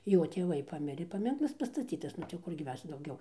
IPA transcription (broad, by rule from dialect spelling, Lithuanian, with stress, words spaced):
ˈjoː tʲeːˈʋɐɪ ˈpɑːmʲɪrʲeː pɐˈmʲɪŋklˠɐs pɐstɐˈt͡sʲiːtɐs ˈnʊ tɐɪ jɛʊ ˈkʊrʲɡʲɪ ˈmʲɛs dɐʊˈɡʲɛʊ